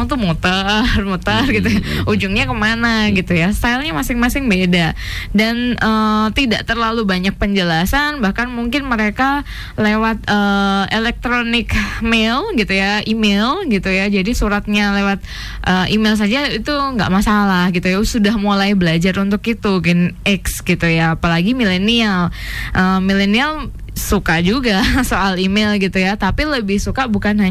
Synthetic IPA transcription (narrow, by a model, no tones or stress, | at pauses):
ŋt̪umot̪armot̪arɡit̪ujaud͡ʒʊŋɲakəmanaɡit̪ujast̪alɲamasɪŋmasɪŋbedadanʔət̪ida̰ʔt̪ərlalubaɲak̚pəɲd͡ʒəlasanbahkanmuŋkɪnməɾeka | lewat̪̚əelɛk̚t̪ɾonɪkmelɡit̪ujaimelɡit̪ujad͡ʒadisuɾat̪̚ɲalewat̪̚ | ʔəːʔimels̬ad͡ʒait̪uŋɡa̰ʔmasalahɡit̪ujasudahmulajbəlad͡ʒaɾunt̪ʊkit̪uɡɛnɛksɡit̪ujaːpalaɡimilenial | ʔəmilenial | sukad͡ʒuɡasoʔalimelɡit̪ujat̪apiləbɪhsukabukanɦa